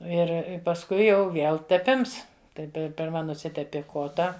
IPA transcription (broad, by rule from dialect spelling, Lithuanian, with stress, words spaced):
ˈɪr ɪ pɐsˈkʊɪ jɛʊ ˈʋʲiɛlˠ tʲɛˈpʲɪms ˈtɐɪ ˈpʲɛ pʲɪrˈmɐ nʊˈsʲɪtʲɛpʲɪ ˈkoːtɐ